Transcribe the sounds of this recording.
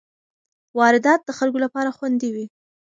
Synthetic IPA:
wɑɾɪd̪ɑt̪̚d̪əxalɡolapɑɾaxwand̪ewi

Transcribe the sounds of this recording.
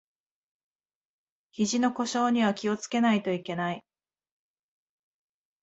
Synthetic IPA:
çiʑino̞ko̞ɕo̞ːɲ̟iβ̞akʲio̞t͡sɨ̥ke̞nait̪o̞ike̞nai

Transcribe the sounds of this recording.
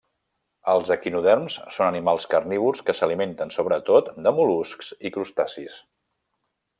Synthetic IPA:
əlˠzəkinuðɛrmssonənimalˠskərniβ̞ulˠskəsəliment̪ənsoβɾət̪ot̪d̪əmulusksikɾust̪asis

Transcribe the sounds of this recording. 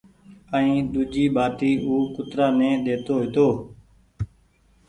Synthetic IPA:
əĩːɗ̪uːd͡ʒiːɓaːt̪iːuːkʊt̪ɾaːnẽːɗ̪eːt̪oːɦɪt̪oː

